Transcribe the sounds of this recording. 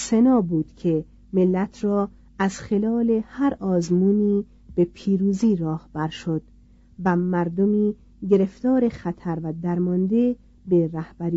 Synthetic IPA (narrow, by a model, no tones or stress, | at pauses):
senɒːbuːd̪̥cʰe̞ | melːæt̪ʰrɒː | æz̥χe̞lɒːle̞hæɾɒːzmuːniː | b̥e̞pʰiːɾuːziːɾɒːhb̥æɾʃo̞d̪̥ | væmæɾd̪omiː | ɟe̞ɾe̞ft̪ɒːɾe̞χæt̪ʰæɾvæd̪æɾmɒnd̪e̞ | beɾæhb̥æɾi